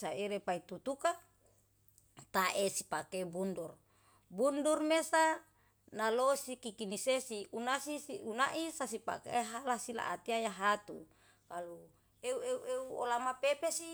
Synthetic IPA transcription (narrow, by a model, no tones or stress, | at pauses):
saiɾepait̪ut̪uka | t̪aʔesi̥pakebundur | bundurmesa | nalosikikinisesiunasisiunaʔisasipa̰kḛɦalasila̰ʔat̪iajaɦat̪u | kalu | eueuʔeuolamapepesi